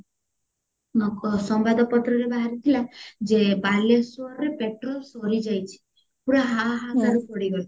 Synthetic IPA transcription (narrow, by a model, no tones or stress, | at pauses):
kɔsɔmbad̪ɔpɔt̪ɾɔɾebaɦaɾit̪ʰilad͡ʒebalesuɔɾɾepeʈɾɔlsɔɾid͡ʒajt͡ʃʰi̥ | puɾaɦaɦakaɾupɔɽibɔl